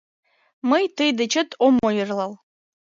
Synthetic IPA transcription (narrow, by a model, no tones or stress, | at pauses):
məjt̪əjd̪ət͡ʃə̆t̪ʰomojərlɑl